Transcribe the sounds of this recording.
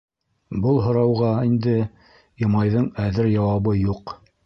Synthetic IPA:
bɤlˠɦŏɾɑwʁɑind̪ɘ | jɤ̆mɑjðɤɴæðɘɾjɑwɑβɤjuq

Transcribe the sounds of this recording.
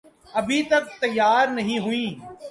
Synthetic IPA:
ɐbʱit̪ɐk̚t̪ɐjːaːɾnɐɦĩɦʊĩː

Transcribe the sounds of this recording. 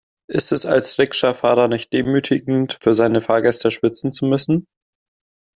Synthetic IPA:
ʔɪstɛsa̰lsʁɪkʃafaːʁɐnɪçt̚d̥eːmyːtʰɪɡŋ̩tfyːɐzaɪnəfaːɐɡɛstəʃv̥ɪt͡sn̩t͡sumʏsn̩

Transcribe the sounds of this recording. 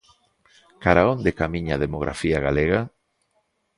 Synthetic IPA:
kaɾaond̪ekamiɲaðemoɣɾʔa̰fiaɣaleɣa

